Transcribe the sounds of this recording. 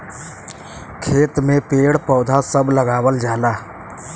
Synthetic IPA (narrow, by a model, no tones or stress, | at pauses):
kʰeːt̪mẽpeːɽpɔːd̪ʱasəbləɡaːwəld͡ʒaːlaː